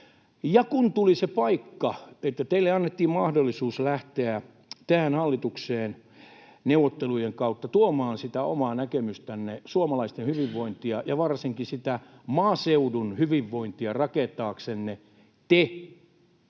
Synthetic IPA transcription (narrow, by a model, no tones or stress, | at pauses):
jɑkunt̪ulisepɑikːɑet̪ːæt̪eilːeɑnːet̪ːiːmmɑhdolːisuːslæht̪eæ | t̪æhænhɑlːit̪ukseːn | neuwʋot̪ːelujeŋkɑut̪ːɑt̪uomɑːnsit̪æo̰mɑːnækemyst̪ænːesuomɑlɑist̪enhyʋiʋːoint̪iɑjɑʋɑrsiŋkisit̪æmɑːseudunhyʋiʋːoint̪iɑrɑket̪ɑːksenːe | t̪e